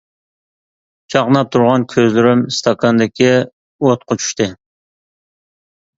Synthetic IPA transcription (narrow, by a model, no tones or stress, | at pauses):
t͡ʃʰɑqnɑp̚t̪ʰuɾʁɑnkʲʰøzlyɾymst̪ʰɑkʰɑnd̪ɪkʲi | ot̪̚qʰot͡ʃʰy̥ʃt̪ɨ